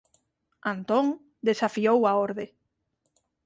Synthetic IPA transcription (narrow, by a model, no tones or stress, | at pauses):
ant̪oŋ | d̪esafiowaoɾðe